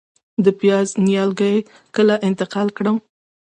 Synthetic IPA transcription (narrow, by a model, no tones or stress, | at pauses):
d̪əpjɑznijɑlɡəj | kəlaʔɪnt̪ɪqɑlkɽəm